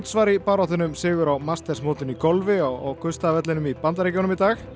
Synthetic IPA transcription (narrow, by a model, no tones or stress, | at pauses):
t̪svaɾipaɾɔhθɪnʏmsɪːɣʏɾawmast̪ɛsmoːwt̪ɪnikɔlvɪɔɔ̰wkʰʏst̪avɛt̪lɪnʏmipant̪̬aɾɪcownʏmit̪aːx